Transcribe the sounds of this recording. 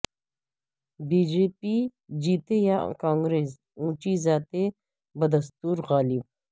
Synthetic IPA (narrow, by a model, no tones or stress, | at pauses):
biːd͡ʒeːpid͡ʒiːt̪ejakãːŋɡɾeːs | ũːt͡ʃizaːt̪e | bɐd̪ɐst̪uːɾɣaːlib̚